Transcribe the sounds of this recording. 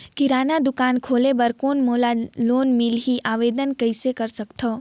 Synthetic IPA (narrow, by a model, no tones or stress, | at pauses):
kɪɾaːnad̪ʊkaːnkʰoːlebɐɾkoːnmoːlaloːnmɪlɦiʔaːʋeːd̪ənkɐɪsekɐɾsɐkt̪ʰoː